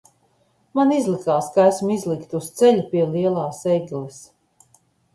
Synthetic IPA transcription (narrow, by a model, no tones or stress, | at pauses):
manizlˠikaːskaæsmizlikt̪ust̪sɛlʲupiɛliɛlˠaːsɛjɡlˠis